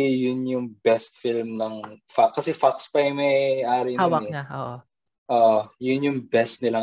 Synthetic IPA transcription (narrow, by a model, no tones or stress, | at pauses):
jʊnjʊŋbɛst̪̚filmnɐŋfakːɐsɛfakspɐjʊmɐjʔaːɾɪnɛoʔ | ʔoʔjʊnjʊŋbɛst̪̚nɪla